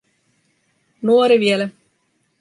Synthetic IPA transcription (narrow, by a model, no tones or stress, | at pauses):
nuoɾiʋiele